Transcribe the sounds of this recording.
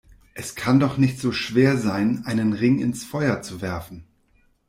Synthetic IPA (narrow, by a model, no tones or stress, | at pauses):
ʔɛskʰandɔχnɪçtz̥oːʃv̥eːɐzaɪnʔaɪnənʁɪŋɪ̰nsfɔʏɐt͡suvɛɐfn̩